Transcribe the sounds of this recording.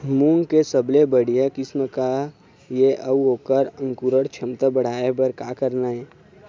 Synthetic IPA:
muːnkesəblebəɽ̤ijekɪsmka | jeʔəuɦoːkəɾə̃ŋkuɾəɽt͡ʃʰɐmt̪əbəɽ̤aːebəɾkaːkəɾnaɦɛː

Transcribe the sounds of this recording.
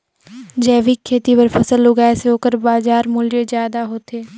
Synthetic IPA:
d͡ʒɛːʋikʰːeːt̪iːpəɾpʰəsəlːʊɡaːeseoːkəɾbaːzaːɾmʊljəzjaːd̪aːɦoːt̪ʰeː

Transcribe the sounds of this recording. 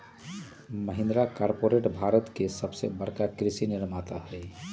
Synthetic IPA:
məɦĩnd̪ɾakaɾpoɾeʈbʱaɾət̪kesəbsebəɽkakɾisiniɾmat̪aɦəj

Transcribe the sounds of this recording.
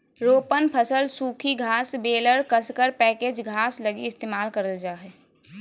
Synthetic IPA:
ɾoːpənpʰəsəlsuːkʰiɡʱaːsbeːləɾkəskəɾpɛːkeːd͡ʒɡʱaːsləɡiɪst̪eːmaːlkəɾəld͡ʒaːɦɛ

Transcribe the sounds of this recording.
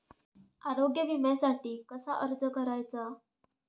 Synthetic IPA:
aɾoɡjəʋimasaʈiːkəsaʔəɾd͡zəkəɾajt͡sa

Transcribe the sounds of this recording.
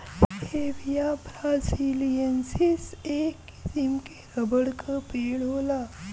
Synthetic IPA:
heʋijapɾãsilijənsisekːi̥simkeɾəbəɽkʰəpeɽɦola

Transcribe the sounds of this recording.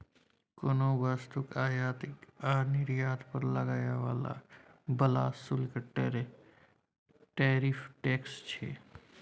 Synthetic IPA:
konoːbəst̪ʊkaːjaːt̪ɪkaːɾnɪɾjaːt̪pəɾləɡaːjaʋaːla̰bəlaːsʊlkaʈɾ | ʈeːɾifʈeːkst͡ʃʰḛː

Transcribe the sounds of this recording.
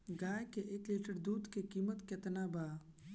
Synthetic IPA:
ɡaːjkeʔeːkliːʈəɾd̪uːd̪kekiːmət̪ket̪naːbaː

